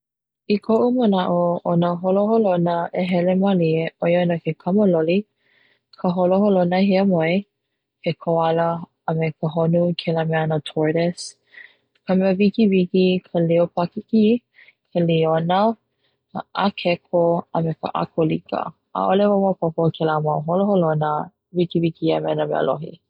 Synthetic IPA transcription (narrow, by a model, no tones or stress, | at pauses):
ikʰoʔumənaʔoonəɦoloholonəʔeɦɛlemalieʔojonəkekʰaməloli | kʰəɦoloɦolonəhiəmoe | kʰekʰoɐləː | mekəɦonukʰelamɛanətʰɔɹdɛs | kəmeəvikivikikʰəliopakiki | kʰelionə | ʔəkʰɛkʰoəmekə̰ʔa̰kʰolikə̰ | a̰ʔolevomopopokʰelamawɦoloholonə | vikivikiəmɛnəmɛ̰ə̰lʔo̰ɦḭ